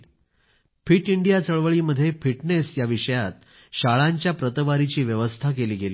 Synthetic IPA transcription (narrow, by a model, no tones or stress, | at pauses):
fiʈiɳɖijat͡səɭʋəɭiːməd̪ʱːjefiʈnesjaʋiʂəjat̪̚ | ɕaɭaɲt͡ɕjapɾət̪əʋaɾit͡ɕiːʋjəʋəst̪ʰakeliːɡeliː